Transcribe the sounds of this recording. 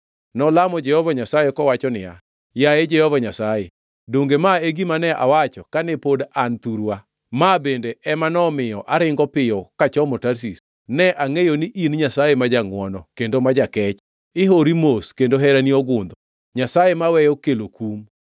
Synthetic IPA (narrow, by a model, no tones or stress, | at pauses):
nɔlamɔd͡ʒɛhɔvaɲasajekɔwat͡ʃɔnɪja | jaed͡ʒɛhɔvaɲasaje | doŋɡemaeɡimanɛa̰wat͡ʃɔkanɛpodant̪uɾwa | mabendeɛmanɔmɪjɔʔaɾɪŋɡɔpɪjɔkat͡ʃɔmɔtaɾs̬is | nɛʔaŋejoniʔinɲasajemad͡ʒaŋwɔnɔkendomad͡ʒakɛt͡ʃ | ɪɦoɾimoskendoɦɛɾaniɔɡʊnd̪ɔ | ɲasajemawɛjɔkelokum